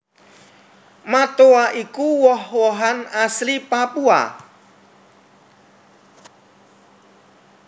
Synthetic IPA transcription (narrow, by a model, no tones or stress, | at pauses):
mat̪oaʔikuwɔhwɔɦanaslipapua̰